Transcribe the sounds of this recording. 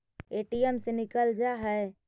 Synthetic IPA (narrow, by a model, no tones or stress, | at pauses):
eʈijəmsenikəld͡ʒaɦəe